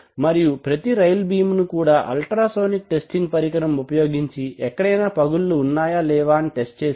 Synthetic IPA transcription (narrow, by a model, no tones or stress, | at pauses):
mɐɾijupɾɐt̪iɾɐjlbiːmnukuːɽaːʔɐ̰lʈɾaːso̞ːnik̚ʈe̞sʈiŋɡpɐɾikɐɾɐmupɐjo̞ːɡiɲt͡ʃiʔɛkːɐɽɐjnaːpɐɡulːuːnːaːjaːlɛːʋaːniʈe̞sʈ̚t͡ʃeːs